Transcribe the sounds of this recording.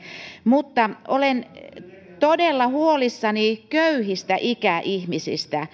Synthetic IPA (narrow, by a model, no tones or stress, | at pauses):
mut̪ːɑʔolen | t̪odelːɑhuolisːɑnikøyhist̪æʔikæʔihmisḭst̪æ